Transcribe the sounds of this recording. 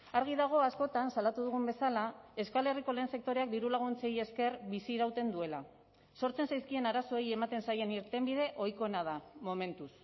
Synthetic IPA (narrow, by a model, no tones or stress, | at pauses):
aɾɣ̞iðaɣ̞o̞asko̞t̪ansalat̪uð̞uɣ̞umbe̞salae̞skale̞riko̞le̞ːnse̞k̚t̪o̞ɾeak̚d̪iɾulaɣ̞unt͡se̞je̞ske̞rbisiɾawt̪e̞nd̪ue̞la | so̞ɾt͡se̞nsajskie̞naɾaso̞eje̞mat̪e̞nsaje̞niɾt̪e̞mbið̞e̞ʔo̞jko̞enað̞amo̞me̞nt̪us